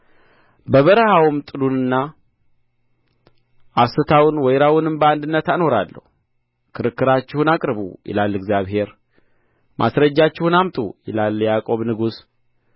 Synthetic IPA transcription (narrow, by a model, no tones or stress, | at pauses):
bəβəɾəhawɨmt̪ʼɨlunɨnːa | ʔasɨt̪ʰawʊnwɔjɾawʊnɨmbəand̪ɨnːət̪ano̞ɾalːə̰hu | kʰɨɾɨkːɨɾat͡ʃːɪhunakʼɾβṵjɛ̰lalːɨɡzjaβhe̞ɾ | mʔa̰sɾəd͡ʒːat͡ʃːɪhunamt̪ʼṵjɛlaljakʼo̞βnɨɡus